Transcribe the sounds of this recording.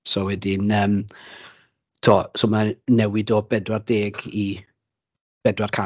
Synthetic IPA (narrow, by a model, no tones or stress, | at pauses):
sɔwɛdɪnəːm | tʰuɔːsɔmanɛwɪdɔbɛdwardeːɡi | b̥ɛdwarkʰa